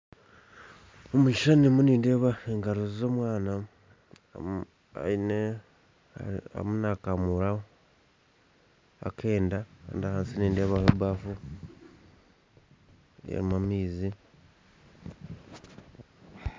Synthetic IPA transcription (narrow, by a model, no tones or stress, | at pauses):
omiʃanimuniːnde̞ːβaeŋɡaɾozizo̞ːmwaːna | a̰ine | a̰a̰munakamuɾao | a̰kʰe̞ːndaka̰ndahaːnsiniːnde̞ːβaheβwaːfu | ḛɾimamiːzi